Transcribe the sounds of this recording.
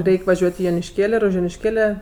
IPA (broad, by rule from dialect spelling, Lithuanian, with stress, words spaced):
ˈrʲɛɪkʲ ʋɐˈʒʲuɔtʲ ɪ joːnʲɪʃʲˈkʲeːlʲ ɪr ʊʃ joːnʲɪʃʲˈkʲeːlʲɛ